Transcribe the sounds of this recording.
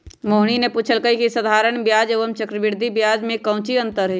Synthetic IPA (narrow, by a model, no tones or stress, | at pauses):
moːɦɽ̃inepuːt͡ʃʰəlkəikisəd̪ʱaːɾəɽ̃bjaːd͡ʒeːʋəmt͡ʃəkɾəʋɪɾd̪ʱibjaːd͡ʒmẽkɐ̃ʊ̃t͡ʃiə̃nt̪əɾɦeː